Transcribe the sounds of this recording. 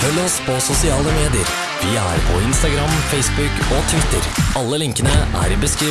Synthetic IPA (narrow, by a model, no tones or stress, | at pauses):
fœlːɔspʰɔsʊsɪɑːləmeːd̪ɪəɾ | ʋɪæ̰ɾpʰɔ̰ɪnst̪ɑɡɾɑmfɛɪsbʉkɔt̪ʰʋɪt̪ːəɾɑlːəlɪŋkənəʔæ̰ɾɪbəskɾiː